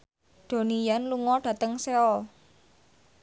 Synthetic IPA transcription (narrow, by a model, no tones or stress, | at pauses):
d̥o̤nijanluŋɔɖ̥a̤t̪əŋseɔ